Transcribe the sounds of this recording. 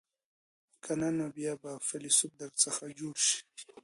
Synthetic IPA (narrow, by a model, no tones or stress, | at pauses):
kʰananobjabafalisʊb̚d̪aɾt͡səxad͡ʒoːɽʃi̥